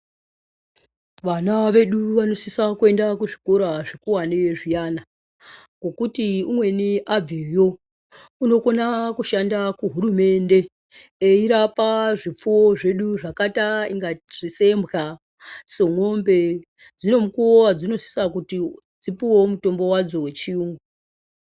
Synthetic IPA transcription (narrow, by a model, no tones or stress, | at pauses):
ʋanaʋe̞ɗuʋano̞sisakue̞ndakuʐikoɾaʐekuwaneʐijana | ŋo̞kutiumwe̞niʔab͡vijo̞ | uno̞ko̞nakuʃandakuɦurume̞nde̞ | eiɾapaʐip͡fuoʐe̞ɗuʐakataiŋɡaʐise̞mbɣa | so̞ŋo̞mbe̞ | d͡zino̞mukuowad͡zino̞si̥sakuti | d͡zipiwo̞muto̞mbo̞wad͡zo̞wet͡ʃiumo